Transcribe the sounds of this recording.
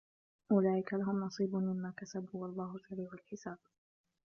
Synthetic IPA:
ʔʊlaːʔɪkalaɦʊmnɑsˤiːbʊmɪmːaːkasabuwɑlˤːɑːhʊsaɾiːʕʊlħɪsaːb̥̚

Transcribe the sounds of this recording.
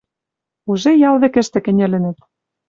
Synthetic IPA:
uʒejɑlðĕkɘ̆ʃt̪ɘ̆kɘ̆nʲɘ̆lɘ̆nɘ̆t̪̚

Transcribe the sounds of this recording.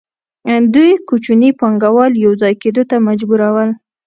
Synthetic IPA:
d̪ujkut͡ʃunipɑŋɡawɑljawzɑjked̪ot̪amad͡ʒbuɾawəl

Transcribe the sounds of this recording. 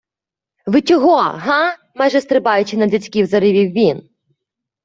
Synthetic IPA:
ʋɪt͡ʃʲɔɦɔɦɑ | majʒɛst̪ɾɪbɑjʊt͡ʃɪnɐdʲɐtʲkʲiwzɐɾɪʋʲiwːʲin

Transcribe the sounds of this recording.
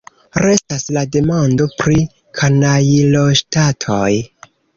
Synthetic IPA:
ɾe̞staslade̞mando̞pɾi | kʰanailoʃtatʰoj

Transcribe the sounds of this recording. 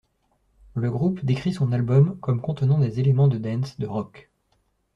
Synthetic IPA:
ləɡʁupd̪ekχisɔ̃nalbɔmkɔmkɔ̃t̪ənɑ̃d̪ezelemɑ̃d̪əd̪ɛ̃nsd̪əʁɔk

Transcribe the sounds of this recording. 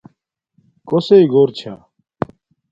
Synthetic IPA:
koseiɡoːɾt͡ɕʰa̰ː

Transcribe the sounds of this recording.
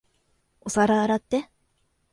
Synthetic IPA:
osaɾaːɾat̪ːe

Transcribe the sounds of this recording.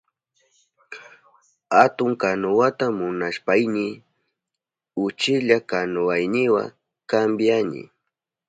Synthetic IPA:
hat̪ʊŋkanʊwat̪amʊnaʃpajnɪ | ʊt͡ʃɪʎakanʊwajnɪwa̰ | kambjaɲɪ̰

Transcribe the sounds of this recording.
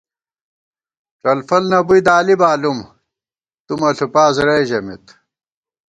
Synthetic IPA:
ʈ͡ʂɐlfɐlnɐbuid̪aːlibaːlum | t̪umɐɬupaːzɾɐjʑɐmit̪

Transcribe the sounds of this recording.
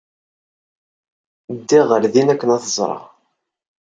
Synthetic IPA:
d̪ːiʁəɾðinækːənæθəzˤɾˤɑ̰

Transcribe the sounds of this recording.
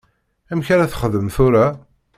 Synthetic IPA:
æmçæɾæθə̥χəðəmθuɾa

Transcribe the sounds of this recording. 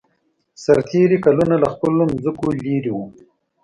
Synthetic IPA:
saɾt̪ʰeɾikalunalaxpəlomzəkoliɾiwu

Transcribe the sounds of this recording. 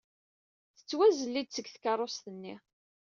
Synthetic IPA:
θə̥t͡sːwæzəlːid̪̚t͡səɡθkɑɾˤːost̪ənːi

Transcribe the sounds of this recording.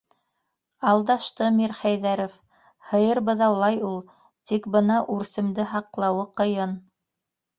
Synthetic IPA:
ɑlˠd̪ɑʃt̪ɤmiɾχæjðæɾof | hɤ̆jɤɾbɤ̆ðɑwlˠɑjulˠ | t̪ikbɤnɑʔʉɾsɘ̆md̪ɘɦɑqlˠɑwɤqɤ̆jɤn

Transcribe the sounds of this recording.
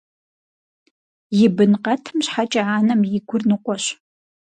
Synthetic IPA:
jɪbɨnqʼɐtʰɨmɕħat͡ʃʼaaːnɐmjɪɡʷʊrnɨqʷʼɔʃ

